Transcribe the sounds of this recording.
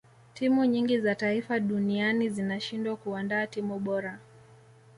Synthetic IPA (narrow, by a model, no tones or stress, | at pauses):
timuɲiŋɡizataifaɗunianizinaʃindwakuandaːtimuɓɔɾa